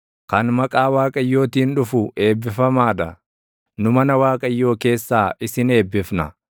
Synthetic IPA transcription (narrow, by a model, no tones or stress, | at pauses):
kɐnmɐkʼaːwaːkʼɐjːo̞ːt̪iːnᶑʊfʊʔe̞ːbːɪfɐmaːᶑ̪ɐ | nʊmɐnɐwaːkʼɐjːo̞ːke̞ːsːaːʔɪsɪne̞ːbːɪfnɐ